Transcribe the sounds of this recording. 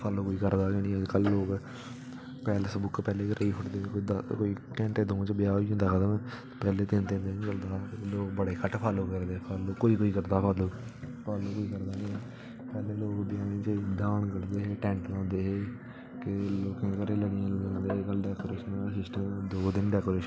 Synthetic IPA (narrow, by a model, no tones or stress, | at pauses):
pʰaloːkoːiːkəɾd̪aːkenĩːəd͡ʒkəlːoːk | pɛːlsbʊkpɛːleːkəɾʔiːpʰʊʈd̪eːkoid̪koːiːkɛ̃ːɳʈeːd̪õːt͡ʃbɪjaːiːɦʊ̃nd̪aːkəd̪əmɛ̃ː | pɛːleːt̪ɪnt̪ẽːnd̪eːĩːt͡ʃəld̪aːloːkbəɽeːkʰəʈpʰaːloːkəɾd̪eːpʰəloːkːoːiːkoːiːkəɾd̪aːpʰəloːpʰaːloːkoːiːkəɾd̪aːnĩːɛː | pɛːleːloːkbɪjaːɡẽːt͡ʃːd̪aːɳkəɽd̪eːɦeːʈɛ̃ːɳʈlãːnd̪eːɦeː | kɪloːkẽːkəɾẽːləɽɪjãːləd̪eːkəlɖɛːkoːɾeːʃənːsɪsʈəmd̪oːd̪ɪnɖɛːkoːɾeːʃ